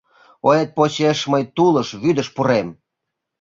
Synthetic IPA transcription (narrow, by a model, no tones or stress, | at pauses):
oet̪̚pot͡ɕeʃməjt̪uləʃβyd̪əʃpuɾem